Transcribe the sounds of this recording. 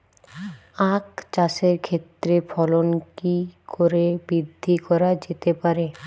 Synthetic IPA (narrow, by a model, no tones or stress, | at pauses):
akt͡ɕaʃeɾkʰet̪ːɾefʰɔlonkikʰoɾebɾid̪ʱːikɔɾad͡ʑet̪epaɾe